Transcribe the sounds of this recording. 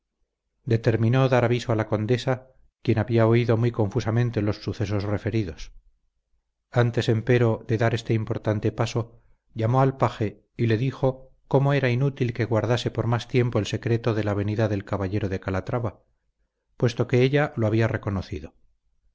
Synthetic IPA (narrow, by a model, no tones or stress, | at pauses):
d̪e̞t̪e̞ɾmĩno̞ðaɾaβiso̞alako̞nd̪e̞sa | kje̞naβiaoiðo̞mwujkõ̞ɱfusamẽ̞nt̪elo̞sːuθe̞s̬o̞zre̞fe̞ɾiðos | ant̪e̞se̞mpe̞ɾo̞ðe̞ðaɾe̞st̪eimpo̞ɾt̪ant̪e̞paso̞ | ʎamo̞alpaxe̞ | ile̞ðixo̞ | ko̞mo̞e̞ɾainut̪ilke̞ɣwaɾðase̞po̞ɾmast̪je̞mpo̞else̞kɾe̞t̪o̞ðe̞laβ̞e̞niðaðe̞lkaβaʎe̞ɾo̞ðe̞kalat̪ɾaβa | pwe̞st̪o̞ke̞eʎaloaβ̞iare̞ko̞noθiðo̞